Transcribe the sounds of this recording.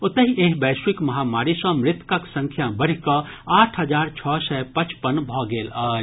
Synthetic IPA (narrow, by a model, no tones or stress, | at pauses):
ʊt̪əɦiʔeɦbɛːswikməɦamaːɾisə̃mɾɪt̪kəksə̃ŋkʰjabəɽ̤ikɔ | aʈʰɦəd͡ʒaːɾt͡ʃʰɔːsɛpət͡ʃpənbʱɔɡeːlaː